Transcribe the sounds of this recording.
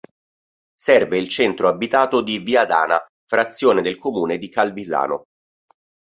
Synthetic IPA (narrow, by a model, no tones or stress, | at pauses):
sɛrveilt͡ʃɛnt̪ɾoabit̪aːt̪od̪iviad̪a̰ːna | fɾat̪sːjoːned̪elkomuːned̪ikalbiza̰ːno̰